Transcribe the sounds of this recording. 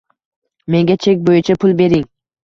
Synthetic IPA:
me̞ŋɡʲat͡ʃʰe̞kʲbojɪt͡ʃʰapʰʊlˠbe̞ɾɪŋ

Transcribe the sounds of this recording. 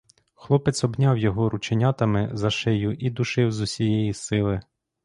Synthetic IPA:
xlˠɔpɛt̪sɔbnʲawjɔɦɔɾut͡ʃenʲat̪ɐmɪzɐʃɛjʊʔid̪ʊʃɪwzʊsʲijɛjisɪlˠɪ

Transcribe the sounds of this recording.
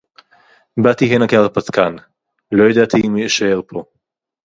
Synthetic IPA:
bat̪iɦɛnakaʁpat̪kan | lojad̪at̪ʰimieʃaelpʰo

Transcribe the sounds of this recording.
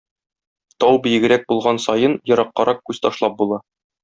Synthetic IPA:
t̪ɒwbĭjɘ̆ɡɘ̆ɾæk̚bulˠʁɑnsɒjɤnjɤ̆ɾɑqːɑɾʔɑq̚kʉz̥t̪ɒʃlˠɑp̚bulˠɑ

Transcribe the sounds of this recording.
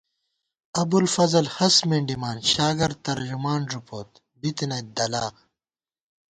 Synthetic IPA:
ɐbulfɐzɐlhɐsmeɳɖimaːnɕaːɡɐɾt̪ɐɾd͡ʑumaːnɾupoːt̪ | bit̪inɐd̪ɐlaːq̚

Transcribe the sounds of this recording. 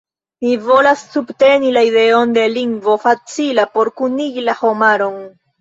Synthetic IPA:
nivo̞lasːubte̞nilaide̞o̞nde̞liŋɡvo̞fat͡silapo̞ɾkuniɡilaho̞maɾon

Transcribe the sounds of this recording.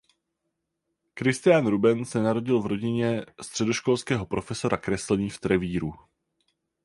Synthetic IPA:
kɾɪst̪ɪjaːnɾubɛnsɛnaɾo̞ɟɪlvɾo̞ɟɪɲɛst̪r̝̥ɛdo̞ʃko̞lskɛːɦo̞pɾo̞fɛso̞ɾakɾɛslɛɲiːft̪ɾɛviːɾu

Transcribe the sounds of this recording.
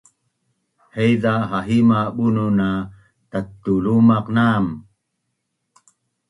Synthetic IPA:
hejdaɦaɦimaɓununa | t̪at̪ːulumaqnam

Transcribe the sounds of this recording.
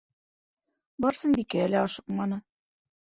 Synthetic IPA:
bɒɾsɤnbikæːlæɑʃɤ̥qmɑnɤ

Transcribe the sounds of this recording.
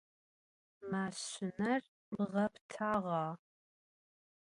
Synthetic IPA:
maːɕɪnɐr | mʁɐptʰaːʁɑː

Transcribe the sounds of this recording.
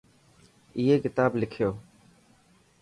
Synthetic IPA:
ɪːɦeːkɪt̪aːblɪkʰɪjoː

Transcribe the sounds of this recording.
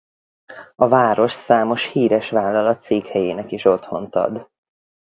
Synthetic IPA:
ɒvaːɾo̞ʃsaːmo̞ʃhiːɾɛʃʋaːlːɒlɒt̪seːkhɛjeːnɛkiʃo̞t̪ho̞nt̪ɒ̰d̪

